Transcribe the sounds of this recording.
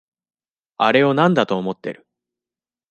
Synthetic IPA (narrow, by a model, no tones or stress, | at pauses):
aɾe̞o̞nãnd̪at̪o̞ːmo̞t̪ːe̞ɾɯ̟̥